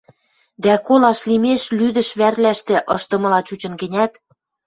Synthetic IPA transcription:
d̪ækolɑʃlimeʃlyd̪ə̆ʃβærlæʃt̪ĕʔɤʃt̪ɤ̆mɤ̆lɑt͡ɕut͡ɕə̆nɡə̆nʲæt̪

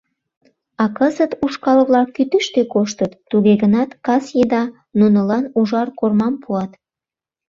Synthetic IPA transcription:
ɑkəzət̪uʃkɑlβlɑkːyt̪yʃt̪ekoʃt̪ət̪ːuɣeɣənɑt̪kɑsjed̪ɑ | nunəlɑnuʒɑrkormɑmpuɑt̪

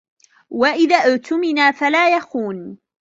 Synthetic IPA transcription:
waʔɪðaːʔʊt̪ʊmɪnaːfalaːjaxuːn

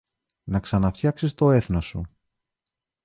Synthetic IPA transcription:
nɐksɐnɐft̪çɐksist̪o̞e̞θnosu

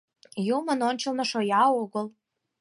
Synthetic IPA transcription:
jumə̆nonʲt͡ɕə̆lnɤ̆ʃojɑoɣəl

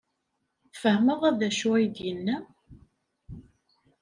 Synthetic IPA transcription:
fəhməʁæðæʃuæjd̪jənːæ

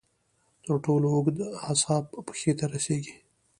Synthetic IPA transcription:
t̪əɾʈoloʊɡd̪ashɑbːə̥xet̪aɾaseɡi̥

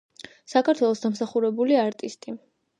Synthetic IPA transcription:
sakʰaɾt̪ʰwɛlˠɔsd̪amsaχuɾɛbuliaɾt̪ʼist̪ʼi

